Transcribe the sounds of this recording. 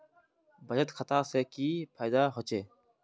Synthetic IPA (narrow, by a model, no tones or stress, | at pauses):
bɐd͡ʑət̪kʰət̪aːseːkiːpʰaːjd̪aːɦot͡ʃeː